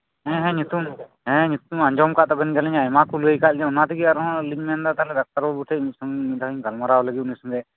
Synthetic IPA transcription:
ɦɛ̃ɦɛ̃ɲut̪umɦɛ̃ɦɛ̃ɲut̪umaɲd͡ʒɔmkaʔt̪ɔbənɡalɛɲajmakulɡəjkaʔd͡ʒɛunat̪iɡiaɾɔɦɔ̃liɲmɛand̪at̪alɛd̪ak̚t̪aɾbɔbuʈʰɛuɲsɔŋmid̪aɲɡʱalmaɾawɔləɡit̪unisɔŋɡɛ

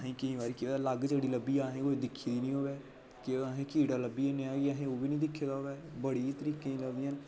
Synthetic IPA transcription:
ɦẽːkɪɦĩːʋaːɾiːkɪaləɡd͡ʒeːɽiːləbːiːaːɦẽːkoːid̪ɪkʰːiːd̪iːnĩːɦoːʋɛː | kɪaɦẽːkiːɽaːləbːiːeneãːkɪaɦẽːoːbiːnĩːd̪ɪkʰːeːd̪aːoːʋɛːbəɽiːt̪əɾiːkẽːĩːləɡd̪ɪjaːn

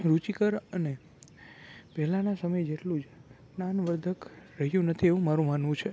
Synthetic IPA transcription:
ɾut͡ʃikəɾəne | pɛɦlãnasəməjd͡ʒeʈlũd͡ʒ | nanʋəɾd̪ʱəkɾəɦjũnət̪ʰieʋũmaɾũmanʋũt͡ʃʰe

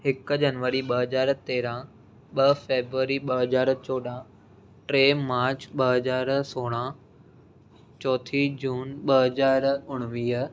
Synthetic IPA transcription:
hɪk̆d͡ʑɐnʋəɾiɓɐɦɐzaːɾt̪eːɾã | ɓɐfeːbɾuʋəɾiɓɐɦɐzaːɾt͡ɕɔːɗã | ʈɾeːmaːɾt͡ɕɓɐɦɐzaːɾsoːɽ̃ã | t͡ɕɔːt̪ʰid͡ʑuːnɓɐɦɐzaːɾʊɽ̃ʋiːɦ

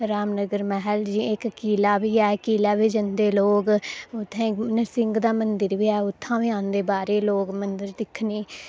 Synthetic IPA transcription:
ɾaːmnəɡəɾmɛɦəld͡ʒiːɪkkiːlaːʋiːɛːkiːlɛːʋiːd͡ʒənd̪eːloːɡʊt̪ʰːẽːnəsɪŋɡd̪aːmənd̪əɾʋiːɛːʊt̪ʰːãːʋiːãːnd̪eːbaːɾeːloːɡmənd̪əɾd̪ɪkʰniː

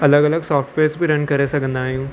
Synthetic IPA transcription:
ɐləɡɐləɡsɔːfʈʰʋeːɾsbʱiɾɐnkɐɾesɐkənd̪aːjũː

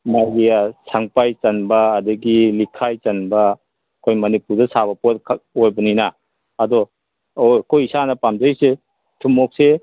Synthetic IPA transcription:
majɡijasaŋpajt͡ʃɐnbɐːdɐɡilikʰajt͡ʃɐnbɐ | kʰojmɐnipuɾdɐsaβɐpot̚kʰaojbɐnina | ɐdɔ | okʰojisanɐpamd͡ʒɐjse | tʰumɔk̚se

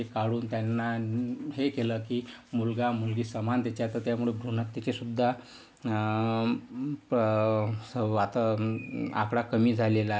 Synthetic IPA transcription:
ekaɽuːnt̪janːaɦekeləkiːmulɡamulɡiːsəmant̪jat͡ɕat̪əɾt̪jamuɭebʱɾuɳat̪ːat͡ɕesud̪ʱːa | p | əat̪a | a̰kɽakəmiːd͡zʱalela

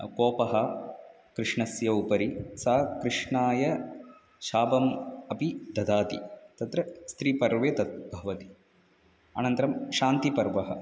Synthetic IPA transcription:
koːpɐɦɐ | kɾɪʂɳɐsjɐupɐɾisɐkɾɨʂɳaːjɐ | ʃaːbɐmɐpid̪ʱɐd̪aːt̪ḭt̪ɐt̪ɾɐst̪ɾiːpɐɾʋet̪ɐt̪̚bʱɐʋɐt̪i̥ | ɐ̰nɐnt̪ɐɾɐmʃaːnt̪ipɐɾʋɐɦɐ

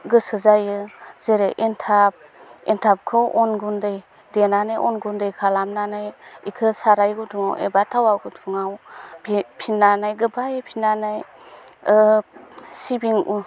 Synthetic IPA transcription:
ɡɯsɯzajɯz̥eɾeʔentʰab̚entʰap̚kʰɯwʔɔnɡundɯj | denanɯjʔɔnɡundɯjkʰalamnanɯjikʰɯsaɾajɡutʰuŋa̰wʔḛbatʰawaɡutʰuŋawbipʰinːanajɡɯbajɯpʰinanɯj | sibiŋu

